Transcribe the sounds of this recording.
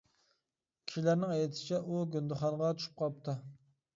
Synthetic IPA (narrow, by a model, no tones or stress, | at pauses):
kʲʰi̥ʃilæɾnɪŋɛjt̪ʰsɪt͡ʃʰɛʔuɡʲynd̪ɪχɑnʁɑt͡ʃ̪ʰy̥ʃy̥p̚qʰɑp̚t̪ʰɨ